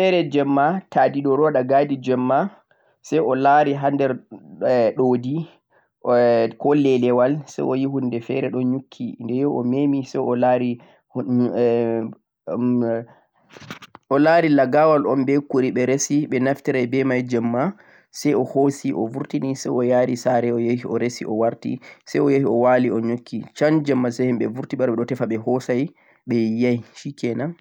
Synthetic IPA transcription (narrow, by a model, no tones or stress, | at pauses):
fɛɾɛd͡ʒɛmːatadiɗɔɾɔɗaɡaːdid͡ʒɛmːa | sɛjɔlaɾiɦandɛɾ | ɗoːdi | kɔlɛlɛwalsɛ̰jɔjiɦundɛfɛ̰ɾɛɗɔɲukʰːindɛjɔɔmemisɛjɔlaɾi | ɔlaːɾilaɡawalɔmbɛkuɾiɓɛɾesiɓɛnaftiɾajbɛmajd͡ʒɛmːa | sɛjɔhosiʔɔvuɾtinisɛ̰jɔjaːɾisaɾɛɔjehiʔɔɾesḭʔɔwaɾtḭsɛjɔjehiɔwaːliɔɲokʰːit͡ʃand͡ʒɛmːasɛhɛmɓɛ̰vuɾtiɓaɾɓɛɗɔtɛfaɓɛhɔsaj | ɓɛjajʃikɛnan